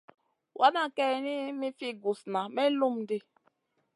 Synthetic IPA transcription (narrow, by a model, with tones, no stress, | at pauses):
wʔa˦na˦ke˦˨ni˦mi˦fi˦ɡu˨sna˨me˦lu˦m̩˨di˦